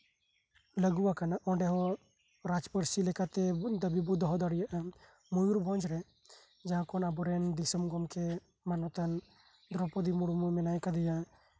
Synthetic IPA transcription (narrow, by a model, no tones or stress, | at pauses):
ləɡuwakanaʔɔɖɛɦɔ | ɾad͡ʒpəɾsilɛkat̪ɛd̪əbibud̪ɔɦɔd̪ɔɽijaʔa | mujuɾbɔ̃nd͡ʒɾɛ | d͡ʒaɦãkɔnabɔɾɛnd̪isəmɡɔmkɛ | manɔt̪an | d̪ɾɔpɔd̪imuɽumumɛnajkad̪ɛja